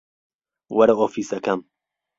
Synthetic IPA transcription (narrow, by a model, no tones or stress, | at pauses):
wɐɾɐʔofisɐkɐm